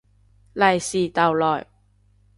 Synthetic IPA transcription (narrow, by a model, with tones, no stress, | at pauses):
lɐ˨jsiː˨t̪ɐ˨wlɔː˨˩j